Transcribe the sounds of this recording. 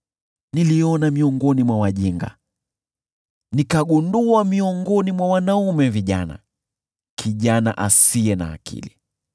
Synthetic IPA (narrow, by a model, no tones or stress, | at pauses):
niliɔnamiɔŋɡɔnimwawaʄiŋɡa̰ | nikaɠunduamiɔŋɡɔnimwawanaumɛviʄana̰ | kʰiʄana̰ʔasiɛna̰ːkḭli